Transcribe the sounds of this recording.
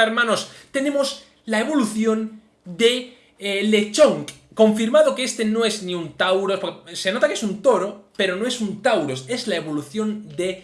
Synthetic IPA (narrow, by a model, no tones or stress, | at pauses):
eɾmãno̞st̪e̞nẽ̞mos | lae̞β̞o̞luθjo̞n | d̪e̞ | le̞t͡ʃoŋko̞ɱfiɾmaðo̞keest̪e̞no̞e̞zniunt̪awɾospoɾkese̞no̞t̪akeesunt̪o̞ɾo̞pe̞ɾo̞no̞e̞sunt̪awɾo̞se̞zlae̞βo̞luθjond̪e̞